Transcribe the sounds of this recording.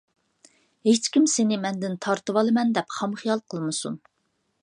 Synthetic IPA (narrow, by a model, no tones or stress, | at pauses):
ɦet͡ʃkʲimsenɪmɛnd̪ɪnt̪ʰɑɾt̪ɨwɑlˠɨmɛnd̪ɛpχɑmχijɑlˠqʰəlˠmɨsṵn